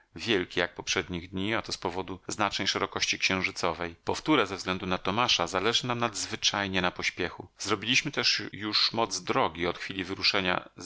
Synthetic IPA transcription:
vʲjɛlkʲijak̚pɔpʂɛd̪ɲiɣd̪ɲiat̪ɔspɔvɔd̪uznat͡ʂnɛjʂɛɾɔkɔɕt͡ɕikɕɛ̃w̃ʐɘt̪sɔvɛjpɔft̪uɾɛzɛvzɡlɛnd̪unat̪ɔmaʂazalɛʐɘnamnad̪zvɘt͡ʂajɲɛnapɔɕpʲjɛxuzɾɔbʲilʲiɕmɘt̪ɛʂjuʂmɔd̪zd̪ɾɔɡʲiɔt̪xfʲilʲivɘɾuʂɛɲa̰

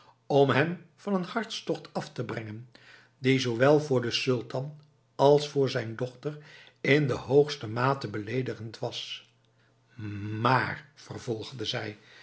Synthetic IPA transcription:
ɔmɦɛmv̥ɑnənhɑɹtstɔχtɑftəbrɛŋən | dizowʋɛlˠvʊːɹdəsɵlˠtɑn | ɑlˠsfʊːɹzɛjndɔχtər | ɪndəɦowχstəmaːtəbəlejdəχəntʋɑs | maːrv̥ərv̥ɔlˠχdəzɛj

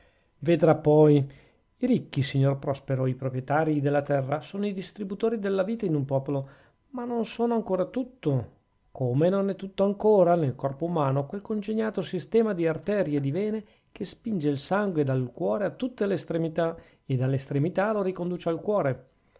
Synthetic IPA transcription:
ved̪ɾapːɔj | iɾikːisiɲːorpɾɔspeɾoipɾopɾjet̪aːɾid̪elːat̪ɛrːasoːnoid̪ist̪ɾibut̪oːɾid̪elːaviːt̪ainumpɔːpolo | manːonsoːnoaŋkoːɾat̪ut̪ːo | kʰomenonɛt̪ːut̪ːoaŋkoːɾanelkɔrpoumaːnokwelkond͡ʒeɲːaːt̪osist̪ɛːmad̪iart̪ɛːɾied̪ivɛːne | kʰespind͡ʒeilsaŋɡwed̪alkwɔːɾeat̪ːut̪ːelest̪ɾemit̪a | ed̪alːest̪ɾemit̪aloɾikond̪uːt͡ʃalkwɔːɾe

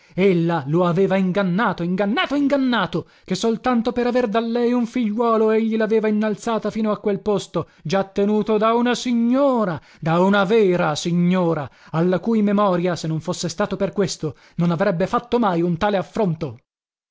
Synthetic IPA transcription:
elːaloaveːvaiŋɡanːaːt̪oiŋɡanːaːt̪oiŋɡanːaːt̪o | kesːolt̪ant̪opeɾaverd̪alːɛjuɱfiʎːwɔːloeʎːilaveːvainːalt̪saːt̪afiːnoakːwelpost̪o | d͡ʒat̪ːenuːt̪od̪aunasiɲːoːɾa | d̪aunavɛːɾasiɲːoːɾaalːakuːjmemɔːɾjasenːoɱfosːest̪aːt̪operkwest̪o | nonavɾɛbːefat̪ːomajunt̪aːleafːɾont̪o

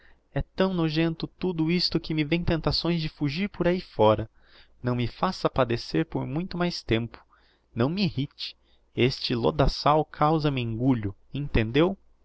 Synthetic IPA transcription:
ɛt̪ɐ̃w̃noʒẽnt̪ʊt̪ud̪ʊist̪ʊkɪmɪvẽj̃t̪ẽnt̪asõj̃zd͡ʒɪfuʒiɾpʊɾaifɔɾɐ | nɐ̃w̃mɪfasɐpad̪eseɾpoɾmũj̃t̪ʊmajst̪ẽmpʊ̥ | nɐ̃w̃mɪihit͡ʃɪ̥ | est͡ʃɪlo̰d̪asawkʰawzɐmẽŋɡuʎʊ | ẽnt̪ẽnd̪ew

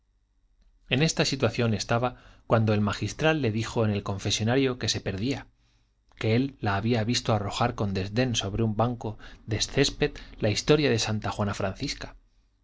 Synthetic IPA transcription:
e̞ne̞st̪asit̪waθjo̞ne̞st̪aβakwand̪o̞e̞lmaxist̪ɾalːe̞ðixo̞ene̞lko̞ɱfe̞sjo̞naɾjo̞ke̞se̞pe̞ɾðia | ke̞e̞lːaːβiaβ̞ist̪o̞aro̞xaɾko̞nd̪e̞zðe̞nso̞βɾeumbaŋko̞ðe̞sθe̞spe̞t̪laist̪o̞ɾjaðe̞sant̪axwanafɾanθiskḁ

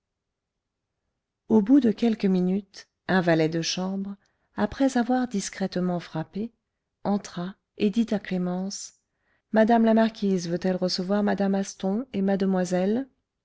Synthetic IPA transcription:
obud̪əkʲɛlkəminyt̪ | ɛ̃valɛd̪əʃɑ̃bʁ | apχɛzavwaʁd̪iskχɛt̪mɑ̃fχape | ɑ̃t̪χa | ed̪it̪aklemɑ̃s | mad̪amlamaʁkʲizvøt̪ɛlʁəsəvwaʁmad̪amast̪ɔ̃emad̪əmwazɛl

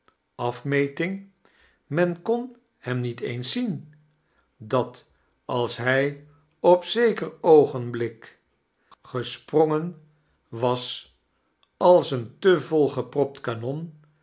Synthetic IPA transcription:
ɑfmejtɪŋ | mɛnkɔn | hɛmnitejnsin | dɑt | ʔɑlˠsɦɛj | ɔpsejkərowχənblɪk | χəsprɔŋən | ʋɑs | ɑlˠsəntəvɔlˠχəprɔp̚tkanɔn

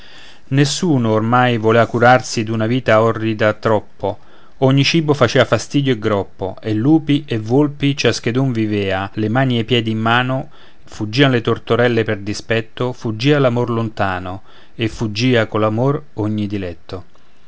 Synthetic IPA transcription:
nesːuːnoːrmajvoleːvakuɾarsid̪unaviːt̪aɔrːid̪at̪ɾɔpːo | ɔɲːit͡ʃiːbofat͡ʃɛːvafast̪iːd̪joeɡɾɔpːo̰elːuːpiʔevolpit͡ʃask̟ed̪uɱvivɛːalemaːniepːjɛːd̪iːmːaːno | fud͡ʒːiːanolet̪ort̪oɾɛlːeperd̪ispɛt̪ːofud͡ʒːiːalamorlont̪aːno | efːud͡ʒːiːakolamor | oɲːid̪ilɛt̪ːo

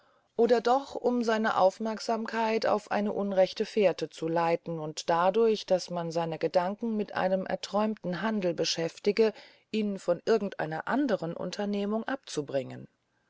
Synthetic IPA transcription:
ʔoːdɐdɔχʊmzaɪnə̰ʔa̰ʊfmɛɐkz̥aːmkʰaɪta̰ʊfʔa̰ɪnəʔʊnʁɛçtəfeːɐtət͡sulaɪtn̩ʊntd̥adʊɐçd̥asmanzaɪnəɡədaŋkŋ̩mɪtʔa̰ɪnəmʔɛ̰ɐtʁ̥ɔʏmtn̩ɦandl̩bəʃɛftɪɡə | ʔiːnfɔnʔɪɐɡŋ̩tʔa̰ɪnɐ̰ʔandəʁənʔʊ̰ntʰɐneːmʊŋʔap̚t͡subʁɪŋən

